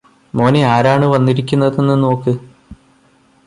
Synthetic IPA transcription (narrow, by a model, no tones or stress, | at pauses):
mo̞ːniaːɾaːɳɨʋɐnːiɾikʲːunːɐðenːɨno̞ːkːɨ